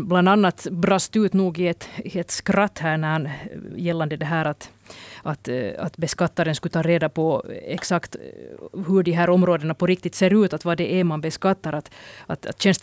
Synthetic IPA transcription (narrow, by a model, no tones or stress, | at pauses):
bland̪anːat̪bɾɑst̪ʉ̟ːt̪nuːɡɪɛt̪ɛt̪skɾat̪ːhæːɳæɾhɑnjɛlːand̪əd̪ɛɦæːɾat̪ | at̪a̰t̪bɛskat̪ːaɾənskɵt̪ʰɑːɾeːd̪apʰɔɛksakt̪ | ɦɵɖiɦæːɾɔmɾoːd̪ənapʰɔɾɪk̚t̪ɪt̪seːɾʉ̟ːt̪at̪vɑd̪ɛʔɛmanbɛskat̪ːaɾat̪a̰t̪at̪ɕɛnst̪